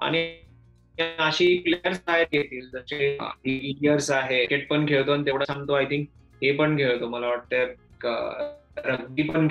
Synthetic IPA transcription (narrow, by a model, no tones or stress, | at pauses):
a̰ɽ̃i | əɕiːkleəɾst̪ʰajet̪̚jet̪iːld͡zəɕḛɖiʋiɖiəɾsaɦekeʈ̚pəɳɡʱeɭt̪̬oanit̪eʋɽasãŋɡt̪oajt̪ʰiŋk̚ | ɦepəɳɡʱeɭt̪oməlaʋaʈ̚t̪əak | ɾəɡ̚d̪iːpəɳɡʱ